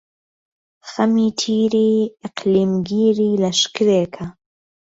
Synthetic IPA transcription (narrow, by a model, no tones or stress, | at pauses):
xɐmiːt̪ʰiːɾiːɪqliːmɡiːɾiːlɐʃkɨɾeːkʰɐ